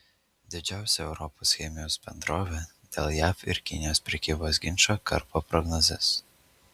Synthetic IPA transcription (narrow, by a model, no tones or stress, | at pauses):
d̪ʲɪd͡ʒʲæˑʊsʲɛɛʊɾɔposʲxʲɛmʲɪjoʊsbʲɛ̰nd̪ɾoːʋʲe | d̪ʲḛːlˠjæːfɪ̰ɾkʲɪnʲɪjoːspʲɾʲɛkʲiːboːsɡʲɪnʃoːkɐ̰ɾpoːpɾɔɡnɔzʲɛs